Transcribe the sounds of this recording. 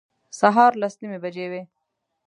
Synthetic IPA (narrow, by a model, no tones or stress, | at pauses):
saɦɑːɾlasnimebad͡ʒewe